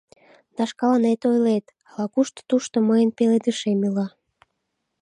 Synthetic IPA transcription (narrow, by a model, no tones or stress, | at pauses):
d̪̥ɑʃkɑlɑnet̪ojlet̪ | ɑlɑkuʃt̪o̥t̪uʃt̪oməjənpeled̪ɨʃemilɑ